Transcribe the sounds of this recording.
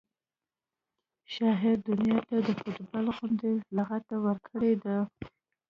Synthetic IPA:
ʃɑɦɪɾd̪ʊnjɑt̪ad̪əfʊt̪balɣʊnd̪elaɣat̪awəɾkʰəɽed̪a

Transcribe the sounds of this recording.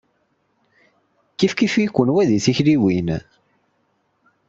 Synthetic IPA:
kifkifikʷːənwæðiθiçliwin

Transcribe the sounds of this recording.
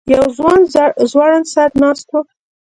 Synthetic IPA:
jawzwɑnzzwɑɽansaɾnɑst̪wo

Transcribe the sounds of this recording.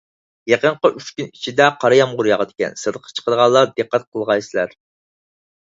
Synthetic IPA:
jeqəɴqəʔyt͡ʃkʲynit͡ʃʰid̪ɛqʰɑɾɑjɑmʁʊɾjɑʁəd̪ɪkʲɛ̰nsɨɾd̪əqʰːɑ̥t͡ʃʰə̥qʰəd̪əʁɑlˠːɑɾd̪ɨqːæt̪̚qʰəlˠʁɑjsɪlæɾ

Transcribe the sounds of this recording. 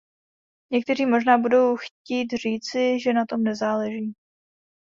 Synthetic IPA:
ɲɛk̚t̪ɛriːmo̞ʒnaːbudo̞wxciːt̪r̝iːt͡sɪʒɛnat̪o̞mnɛzaːlɛʒiː

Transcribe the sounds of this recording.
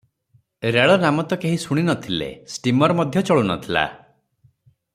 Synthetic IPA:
ɾeɭɔnamɔt̪ɔkeɦisuɽ̃inɔt̪ʰilḛsʈimɔɾɔmɔd̪ʱjɔt͡ʃɔɭunɔ̰t̪ʰila̰

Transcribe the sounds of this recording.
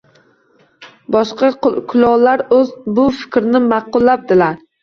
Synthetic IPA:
bɒʃqɑkʰʊlˠɒʁlaɾɵzbʊfɪ̥kʲɾnɪmɑqʊlˠːap̚d̪ɪlaɾ

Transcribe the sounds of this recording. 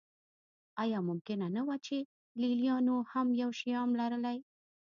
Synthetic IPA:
ɑjɑmʊmkɪnanawat͡ʃe | lilijɑnohamjawʃijɑmlaɾəlaj

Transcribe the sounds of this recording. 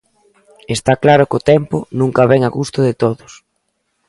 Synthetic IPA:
est̪aklaɾʊkot̪ɛmpʊnũŋkɐβɛŋaɣust̪ʊðɪt̪oðʊs

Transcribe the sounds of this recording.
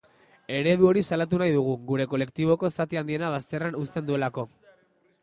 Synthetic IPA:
e̞ɾe̞ðuo̞ɾisalat̪̬unajðuɣ̞uɣuɾe̞ko̞le̞kt̪iβ̞o̞ko̞sat̪iand̪ie̞naβ̞ast̪e̞ranust̪e̞nd̪ue̞lako̞

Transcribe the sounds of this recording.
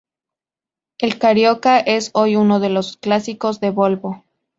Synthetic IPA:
e̞lkaɾjokaʔe̞so̞junoð̞e̞lo̞sklasiko̞zðe̞βo̞lβo

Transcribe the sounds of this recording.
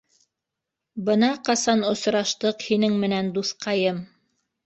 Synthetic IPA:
bɤnɑqɑsɑnŏsɾɑʃt̪ɤqhinɘŋmɘ̆nænd̪uθqɑjɤm

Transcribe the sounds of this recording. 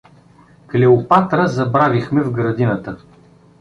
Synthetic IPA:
klɛʊpat̪ɾəzɐbɾavixmɛvɡɾɐd̪inət̪ə

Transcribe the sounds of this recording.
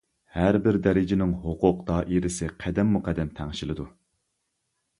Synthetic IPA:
hæɾbɪɾd̪ɛɾɪd͡ʒɪnɪŋɦoqʊq̚d̪ɑʔiɾɪsɪqʰæd̪ɛmːuqʰɛd̪ːɛmt̪ʰɛŋʃilˠɨd̪u

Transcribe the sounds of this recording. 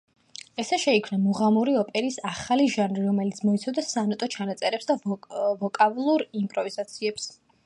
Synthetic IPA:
ɛsɛʃɛikʰmnamuʁamuɾiɔpʼɛɾisaχaliʒanɾiɾɔmɛlit̪sʰmɔit̪sʰɔvd̪asanɔt̪ʼɔt͡ʃʰanat̪sʼɛɾɛpsd̪avɔkʼavlˠuɾimpʼɾɔvizat̪sʰiɛps

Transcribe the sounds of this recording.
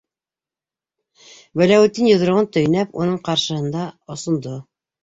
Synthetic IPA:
bælæwɘt̪ːinjŏð̆ɾŏʁɤnt̪ɵ̆j̆næpunɤɴqɑɾʃɤ̆hɤ̆nd̪ɑŏsŏnd̪o

